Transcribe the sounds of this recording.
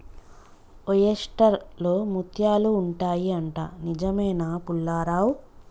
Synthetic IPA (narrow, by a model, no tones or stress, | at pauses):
ojesʈɐɾloːmut̪ʰjaːluːɳʈaːjiɐɳʈa̰ːnid͡ʒɐmɐjnaːpulːaːɾaːw